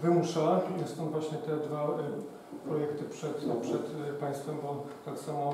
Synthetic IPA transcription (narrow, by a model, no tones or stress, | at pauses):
vɘmuʂanast̪ɔ̃vwaɕɲɛt̪ɛd̪va | pɾɔjɛkt̪ɘpʂɛt̪pʂɛt̪paj̃st̪fɛmbɔt̪aksamɔ